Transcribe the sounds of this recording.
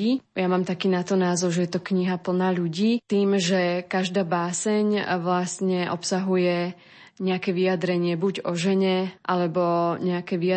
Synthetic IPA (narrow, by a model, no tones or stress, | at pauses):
iːjamaːmt̪akiːnat̪ɔnaːzɔʊʒɛjɛt̪ɔkɲiɦapl̩naːʎuɟiːt̪iːmʒɛkaʒd̪aːbaːsɛɲʋlast̪ɲɛʔɔpsaɦujɛ | ɲɛakɛʋijad̪ɾɛɲɪɛbuɟɔʒɛɲɛʔalɛbɔɲɛakɛʋia